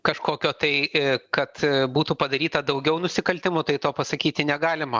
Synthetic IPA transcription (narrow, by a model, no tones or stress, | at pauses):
kɐʃkoːkʲoːt̪ɐɪkɐt̪buːt̪upɐd̪ɐɾʲiːt̪ɐd̪ɐʊɡʲɛʊnʊsʲɪkɐlʲt̪ʲɪmʊt̪ɐɪt̪oːpɐsɐkʲiːt̪ʲɪnʲɛɡɑːlʲɪmɐ